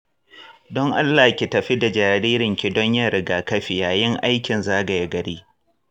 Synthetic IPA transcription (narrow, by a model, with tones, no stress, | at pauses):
dɔ˦ŋʔa˦lːaː˨kʲi˨tɐ˨ɸi˦da˨d͡ʒaː˨ɾiː˦ɾɪ˨ŋkʲi˨dɔ˦ɲja˦ɽɪ˨ɡaː˨kɐ˦ɸi˨jaː˨jɪ˦ŋʔa˦jkʲɪ˨nzaː˦ɡɐ˨ja˦ɡɐ˨ɽiː˦